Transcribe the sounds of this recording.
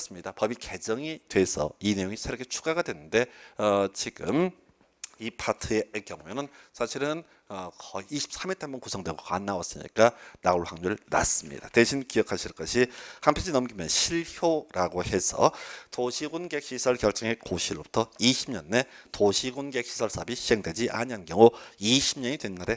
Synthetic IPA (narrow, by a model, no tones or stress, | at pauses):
s͈ɯmɲidapʌbike̞d͡ʑʌŋitwe̞sʰʌ̰ine̞joŋisʰeɾʌkʰet͡ɕʰu̥ɡaɡadwe̞nɯnde̞ʌt͡ɕiɡɯm | ipʰatʰɯeːkjʌŋujenɯnsʰaɕʰiɾɯn | ʌkʌːɕʰi̥p̚s͈amitʰaambʌnkusʰʌŋdweɡoka̰nːawʌs͈ɯmɲḭk͈anauɭhaŋɲuɯɭna̰s͈ɯmɲḭda̰teɕʰinkiʌkʰaɕʰiɭk͈ʌɕʰihampʰjʌd͡ʑʰinʌmɡimjʌnɕʰiɭçjoɾaɡohe̞sʰʌ̰toɕʰiɡunɡe̞k̚ɕ͈isʰʌɭkjʌɭt͡ɕ͈ʌŋe̞koɕʰiɾɯɭbutʰʌiɕʰimɲʌnːe̞toɕʰiɡunɡek̚ɕ͈ʰi̥sʰʌɭs͈ʰabiɕʰihe̞ŋdwed͡ʑiʔa̰ɲiɦankjʌŋuiɕʰimɲʌɲidwe̞nːaɾe̞